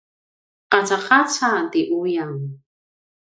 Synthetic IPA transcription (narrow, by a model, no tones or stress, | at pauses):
qat͡saqat͡sʰat̪iʔujaŋ